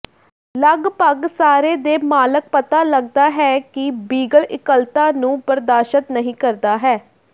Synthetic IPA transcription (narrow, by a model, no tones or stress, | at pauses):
ləɡpəɡsaːɾeːd̪eːmaːlək̚pət̪aːləɡ̚d̪aːɦɛːkɪbiːɡəlʔɪkəlt̪ãːnũːpəɾd̪aːʃət̪nəɦĩːkəɾd̪aːɦɛː